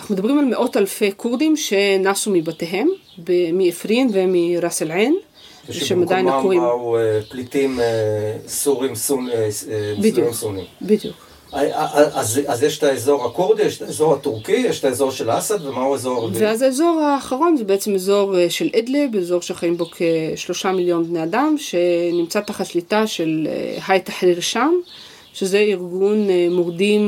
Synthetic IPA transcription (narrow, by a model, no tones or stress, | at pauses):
anaχnumed̪ɐbʁimalme̞ʔo̞talfe̞kʰuʁd̪imʃe̞nasumibateɦe̞m | bemiefʁinve̞miʁaselʕen | veʃemad̪ajnakoʁiaueplit̪imesuʁimsu | bid̪juimsunimbid̪juk | ʔʔazazjeʃtaezo̞ʁhakuʁd̪ijɛʃtaezo̞ʁhat̪uʁkijeɛʃtaezo̞ʁʃelasad̪vemahuezo̞ʁveazaezo̞ʁaːχaʁo̞nzebeet͡se̞mezo̞ʁʃelʔed̪lebeezo̞ʁʃeχajimbokʰeʃlo̞ʃamiljo̞nbne̞adamʃe̞nimt͡sat̪aχatʃlitaʃe̞l̰hajt̪aħliʁʃam | ʃeze̞iʁɡunmoʁdim